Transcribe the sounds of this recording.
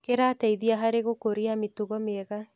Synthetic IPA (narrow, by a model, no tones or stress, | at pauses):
keɾataiðiaɦaɾeɣokoɾiametuɣɔmeɛɣa